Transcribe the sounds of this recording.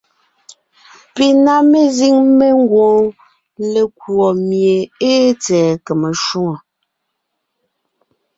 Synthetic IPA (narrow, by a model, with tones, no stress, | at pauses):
pi˨na˦me˦zi˦ŋme˦ŋ̩˦ɡwɔ̃ː˨˦ | le˨kwɔ˨mje˨e˦t͡sɛː˨ke˨me˨ʃu˦ŋo˨